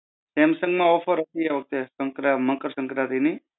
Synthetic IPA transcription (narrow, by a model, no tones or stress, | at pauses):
semsə̃ŋɡmãɔfʰəɾɦət̪ieʋək̚t̪esəŋkɾaməkəɾsəŋkɾat̪ini